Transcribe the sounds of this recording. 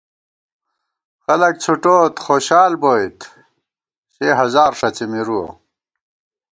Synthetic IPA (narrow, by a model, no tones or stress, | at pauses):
xɐlɐk̚t͡ɕʰuʈoːt̪xoːɕaːlboːjt̪ | ɕeːɦɐzaːɾʂɐt͡semiɾuo̰